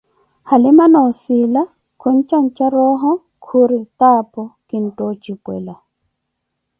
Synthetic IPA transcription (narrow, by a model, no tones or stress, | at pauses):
halɪmanaʊsɪla | kʰɔn̩t͡ʃʼan̩t͡ʃʼaɾɔɦɔ | kʰuɾɪtapʼɔkʼɪn̩tʼɔt͡ʃʼipʼwɛ̰la